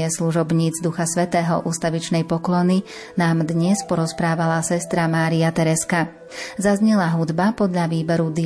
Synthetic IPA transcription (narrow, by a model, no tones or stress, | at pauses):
ɛsluʒɔbɲiːd͡zd̪uxasʋɛt̪ɛːɦɔ̰ʔuːst̪aʋit͡ʃnɛjpɔklɔni | naːmd̪ɲɛspɔɾɔspɾaːʋalasɛst̪ɾamaːɾiat̪ɛɾɛska | zazɲɛlaɦud̪bapɔd̪ʎaʋiːbɛɾud̪i